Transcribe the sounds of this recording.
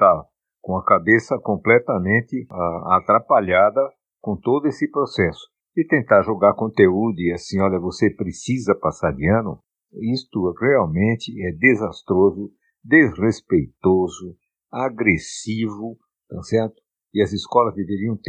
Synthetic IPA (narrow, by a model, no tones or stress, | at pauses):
t̪a | kõɐkabesɐkõmplɛt̪ɐmẽnt̪ɪaat̪ɾapaʎad̪ɐ | kõt̪od̪ʊesɪpɾosɛsʊ̥ | ɪt̪ẽnt̪aɾʒoɡaɾkõnt̪eud̪ʊiasĩɔʎɐvosepɾesizɐpasaɾd̪ɪɐ̃nʊ̰ | ist̪ʊʁeawmẽnt̪ɪɛd̪ezast̪ɾozʊ | d̪ezʁespejt̪ozʊ | aɡɾesivʊ | t̪asɛɾt̪ʊ̥ | ɪɐzɪskɔlɐzd̪eveɾiɐ̃w̃t̪